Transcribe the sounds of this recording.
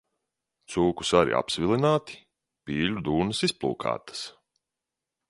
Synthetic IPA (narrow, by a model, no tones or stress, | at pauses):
t̪suːku̥saɾḭʔa̰psvilˠinaːt̪i̥ | pʲiːlʲud̪uːnɨsisplˠṵːka̰ːt̪ḁs